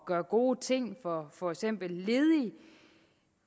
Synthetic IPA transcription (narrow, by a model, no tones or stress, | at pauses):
ɡ̥ɶɐɡ̥o̝ːt͡sʰe̝ŋ̰fɒfɒ̽eɡ̥sem̰b̥l̩ːe̝ːðˠi